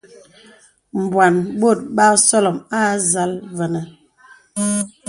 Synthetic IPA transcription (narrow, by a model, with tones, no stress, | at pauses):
m̩˨bwa˨nbo˦˨t̚ɓa˦sɔ˦lɔ˨ma˦za˨˦lvə˨nə˨